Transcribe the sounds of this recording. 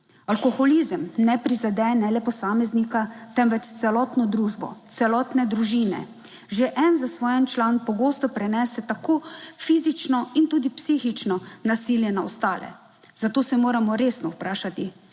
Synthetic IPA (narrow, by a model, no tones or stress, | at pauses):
alkɔxɔlizəmnɛpɾizad̪ɛnɛlɛpɔsaːmɛznikat̪ɛmʋɛt͡ʃt̪sɛlɔːt̪nɔd̪ɾuːʒbɔ̰t̪sɛlɔːt̪nɛd̪ɾuʒinɛ̰ | ʒeʔɛnzasʋɔːjɛnt͡ʃlanpɔɡoːst̪ɔpɾɛnɛːsɛt̪akoːfiːzit͡ʃnɔint̪uːd̪ipsixit͡ʃnɔnasiːljɛnaɔst̪aːlɛ̰ | zat̪oːsɛmoːɾamɔɾeːsnɔwpɾaːʃat̪i